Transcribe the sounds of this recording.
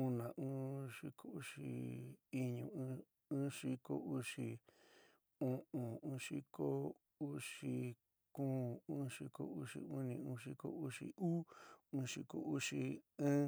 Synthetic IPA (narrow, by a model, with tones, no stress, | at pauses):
ũ˦˧nã˨ʔũ˦ʂi˧˦ko˦u˦ʂi˧˨i˦ɲũ˧˦˧ | ũː˦ʂi˦ko̰˦u˦ʂi˧˨ | ũ˦ʔũ˨ũː˦ʂi˦ko˦ | u˦ʂi˧ | kũː˦ũ˦ʂi˧ko̰˧u˦ʂḭ˧u˦nĩ˧ũ˧˦ʂi˦ko̰˧u˦ʂḭ˧ʔu˦ũː˦ʂi˧ko̰˧u˦ʂi˧ɨ̃˦